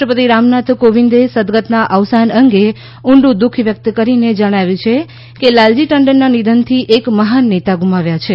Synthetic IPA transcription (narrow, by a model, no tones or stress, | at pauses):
ʈəpət̪iɾamnat̪koʋind̪esəd̪ɡət̪naʔəʋsanəŋɡe | uɳɖũd̪ukʰʋjək̚t̪kəɾined͡ʒəɽ̃aʋjũt͡ʃʰe | kelald͡ʒiʈəɳɖəɾnanid̪ʱənt̪ʰiʔekməɦanːet̪aɡumaʋjat͡ʃʰe